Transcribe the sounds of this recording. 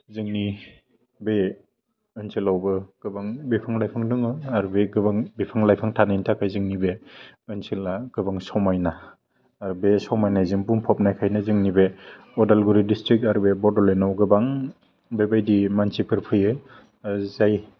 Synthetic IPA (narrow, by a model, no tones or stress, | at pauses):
zɯŋni | be | ɯnsilawbɯɡ̥ɯbaŋbipʰɯŋlajpʰɯŋdɯŋɯaɾubeɡɯbaŋbipʰɯŋlajpʰaŋtʰanajntʰakʰajzɯŋnibeɯnsilaɡ̥ɯbaŋsawmajnaː | ɾubesawmajnajzɯŋbuŋpʰɔp̚najkʰajnazɯŋnibe | ɔdalɡuɾidistɾik̚taɾbebɔɾdɔlenawɡɯbaŋ | bebajdimansikʰɯɾpʰɯjɯ | zaj